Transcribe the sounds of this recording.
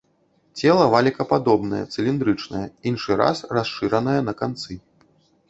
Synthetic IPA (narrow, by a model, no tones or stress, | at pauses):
t͡sʲɛlˠɐvalʲikɐpad̪ɔbnɐjɛ̰t̪sɨlʲind̪ɾɨt͡ʂnɐ̰jɐinʂɨɾa̰srasʂɨɾɐnɐjɐnɐkant̪sɨ